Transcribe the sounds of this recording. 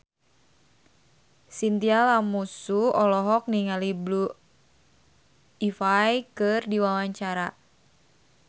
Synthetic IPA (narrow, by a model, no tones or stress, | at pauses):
sint̪ialamusuɔlɔɦɔk̚niŋaliblu | ifajkɨrdiwawaɲt͡ʃaɾa